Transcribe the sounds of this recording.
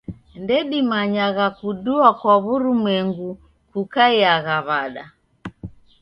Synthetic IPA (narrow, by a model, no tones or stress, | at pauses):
ndɛɗimaɲaɣakuɗuakwaβuɾumwɛŋɡu | kukaiaɣaβaɗa